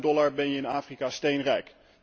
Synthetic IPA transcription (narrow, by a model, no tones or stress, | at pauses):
dɔlaɹbɛnjəɪnaːfrikastejnrɛjk